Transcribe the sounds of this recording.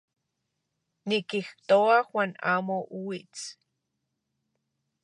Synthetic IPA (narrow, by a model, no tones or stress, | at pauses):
nikixt̪oaxwʷana̰moʔuwit͡s